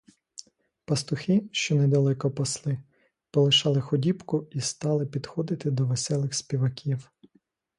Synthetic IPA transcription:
pɐst̪ʊxɪʃt͡ʃɔnɛd̪ɐlˠɛkɔpɔslˠɪ | pɔlˠɪʃɑlˠɪxɔdʲibkʊist̪ɑlˠɪpʲid̪xɔd̪ɪt̪ɪd̪ɔʋesɛlˠɪxsʲpʲiʋɐkʲʰiw

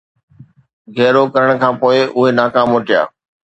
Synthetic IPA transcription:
ɡʱɛːɾokɐɾəɽ̃kʰãːpoːɪʔʊɦenaːkaːmoːʈija̰ː

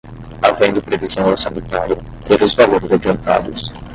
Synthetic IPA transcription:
avẽj̃d̪ɪpɾevizɐ̃w̃oɾsɐmẽnt̪aɾjɐ | t̪eɾʊzvaloɾɪzad͡ʒiɐ̃nt̪a̰d̪ʊs

